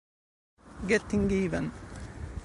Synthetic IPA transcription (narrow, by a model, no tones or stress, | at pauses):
ɡɛt̪ɪ̃ŋɡiːʋən